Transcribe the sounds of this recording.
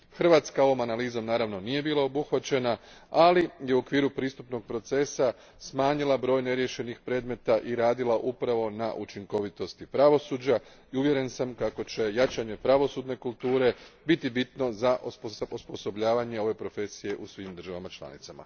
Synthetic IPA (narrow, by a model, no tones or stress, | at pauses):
xr̩ʋaːt̪skao̞ʋo̞manaliːzo̞mnaːɾaʋno̞nijebiːlˠao̞buxʋat͡ɕe̞na | alijeuokʋiːɾupɾiːst̪upno̞ɡ̚pɾo̞t̪se̞sa | smaːɲilˠabɾo̞ːjne̞ɾje̞ʃe̞nixpɾe̞ːd̪me̞t̪aʔiɾaːd̪ilˠaʔupɾaʋo̞naʔut͡ʃiŋko̞ʋit̪o̞st̪ipɾaʋo̞suːd͡ʑa | iuʋje̞ɾe̞nsamkako̞t͡ɕe̞jat͡ʃaɲepɾaʋo̞suːd̪ne̞kult̪uːɾe̞bit̪ibit̪nozaʔopoospo̞so̞bʎaːʋaɲe̞o̞ʋe̞pɾo̞fe̞sije̞ʔusʋimd̪r̩ʒaʋamat͡ʃlˠa̰nḭt̪sama̰